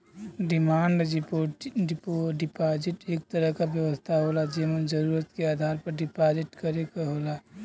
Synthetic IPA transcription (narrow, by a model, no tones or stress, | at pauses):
ɖɪmaːɳɖd͡ʒpopoɖɪpaːd͡ʒɪʈeːk̚t̪əɾəɦkabjəʋəst̪ʰaɦoːlad͡ʒeːmənd͡ʒəɾuːɾət̪keaːd̪ʱaːɾpəɾɖɪpaːd͡ʒɪʈkəɾekaɦoːla